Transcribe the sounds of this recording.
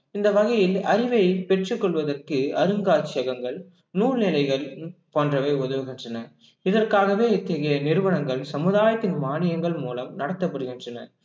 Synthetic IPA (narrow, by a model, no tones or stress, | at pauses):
ɪnd̪ɐʋɐɣɐjɪlɐɾɪʋɐjpɛʈrɯkːɔɭʋɐðɐrkɯɐɾɯŋɡaːt͡ʃːɪjɐɣɐŋɡɐɭ | nuːɾnɪlɐɪɣɐɭpoːndrɐʋɐɪʊðɐʋɯɣɪndrɐnɐ | ɪðɐrkaːɣɐʋeːɛt̪ːɐɣɐjɐnɪɾɯʋɐɳɐŋɡɐɭsɐmɯðaːjɐt̪ːɪnmaːɳɪjɐŋɡɐɭmuːlɐmnɐɽɐt̪ːɐpːɐɽɯɣɪndrɐnɐ̰ɾ